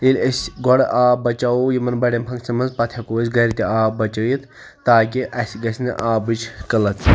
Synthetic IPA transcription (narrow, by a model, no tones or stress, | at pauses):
ilʲɐsʲɡɔɽʔaːbɐt͡ʃaojimɐnbɐɽʲɐmpʰɐŋksɐmɐnzpɐt̪ʲʰjɐkoːsʲɡɐɾʲit̪ʲiaːbɐt͡ʃɐjit̪ | t̪aːk̬ʲiʔɐsʲɡɐsʲnɐ̰ʔaːbɨt͡ʃʰkɐlɐt̪